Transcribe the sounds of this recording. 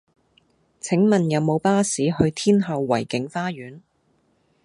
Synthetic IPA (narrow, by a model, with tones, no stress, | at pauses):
t͡sʰɪ˨˥ŋmɐ˨njɐ˨˧wmo˨˧wpaː˥siː˨˥hɵ˧ɥt̪ʰiː˥nɦɐ˧wːɐ̰˨˩jkɪ˨˥ŋfaː˥jyː˨˥n